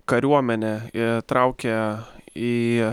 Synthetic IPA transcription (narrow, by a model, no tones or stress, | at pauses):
kɐɾʲuɔmʲɛnʲɛt̪ɾɑˑʊkʲɛ | iː